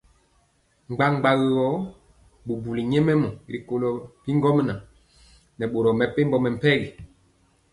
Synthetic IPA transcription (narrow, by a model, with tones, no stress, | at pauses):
ŋ͡mɡ͡ba˦ŋ͡mɡ͡ba˦ɣɔ˦ | bu˨bu˨li˨ɲɛ˦mɛ˦mɔ˨ɾi˨ko˨lɔ˨bi˦ŋɡɔ˦m˦na˨ | nɛ˨ɓo˨ɾɔ˨mɛ˨pe˦mbɔ˦mɛ˨m̩˨pɛ˦li˨